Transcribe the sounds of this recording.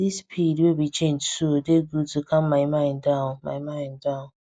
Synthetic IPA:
dispʰidiwebit͡ʃend͡ʒsuodeɡudukam̩mamajɪ̃ndãma̰maɪ̃nda

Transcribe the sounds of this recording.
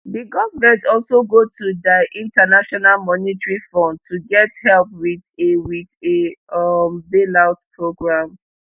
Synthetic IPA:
diɡɔvmɛ̃ntɔlsoɡotʰudaʔĩntanaʃɔnalmɔnitɹifɔ̃ndtʰuɡɛthɛlp̚wiðewiðe | mbelaʊtpʰɹoɡɹãm

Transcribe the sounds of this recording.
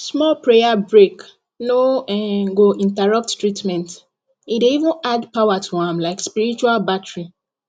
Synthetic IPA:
smɔlpɹejabɹek | noɛ̃ɡoʔĩntaɹʌp̚ttɹitmɛ̃nt | ideivũnadpaʊatʰuãmlaɪkspiɹit͡ʃualbatɹi

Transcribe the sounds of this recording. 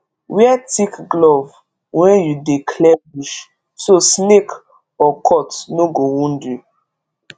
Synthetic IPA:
wiatikɡlɔv | wɛ̃njudekʰlɛbiʃ | sosnek | ɔkʰɔtnoɡowũndju

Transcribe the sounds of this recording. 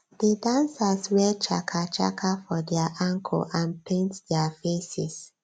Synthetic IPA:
didãnsaswɛt͡ʃa̰kʰat͡ʃa̰kʰafɔdɛaʔãŋkʰɔ̰lʔãnpʰẽntdɛafesɛs

